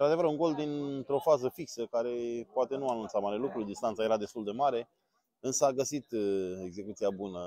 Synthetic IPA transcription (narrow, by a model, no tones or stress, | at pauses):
ɨnɾad̪e̞vəɾuŋɡo̞ld̪int̪ɾo̞fazəfiksəkaɾe̞poat̪e̞nuanunt̪samaɾelukɾud̪ist̪ant̪sajeɾad̪e̞st̪uld̪e̞maɾe̞ | ɨnsəaɡəsit̪e̞ɡze̞kut̪siabunə